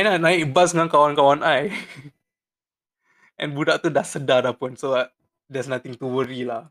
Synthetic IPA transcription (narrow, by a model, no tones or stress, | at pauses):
ajnanãɪbas̬ŋankawankawanʔaj | ʔɛ̰̃nbudaʔt̪udasədadahpunso | dɛsnat̪ɪŋt̪uwəɾilah